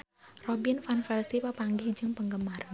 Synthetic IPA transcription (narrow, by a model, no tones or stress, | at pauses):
rɔbinfanfɛlsipəpaŋɡɪhd͡ʒɨŋpəŋɡəmar